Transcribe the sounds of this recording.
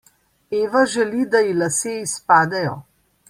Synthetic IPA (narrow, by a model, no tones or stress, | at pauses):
eːʋaʒɛlid̪ajilaseispaːd̪ɛjɔ